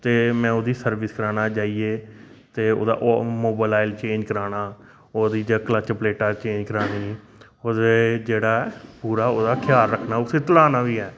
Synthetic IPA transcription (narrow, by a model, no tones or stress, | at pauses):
t̪eːmɛ̃ːoːd̪iːsəɾʋɪskəɾaːnaːt͡ʃaːiːeː | t̪eːo̰ːd̪a̰ːʔmoːbalaːɪlt͡ʃẽːɲd͡ʒkəɾaːnaː | oːd̪iːd͡ʒakələt͡ʃpleːʈaːt͡ʃẽːɲd͡ʒkəɾaːniː | oːd̪eːd͡ʒeːɽaːpuːɾaːoːd̪aːkʰjaːɾːəkʰnaːʊsẽːt̪əlaːnaːʋiːɦɛː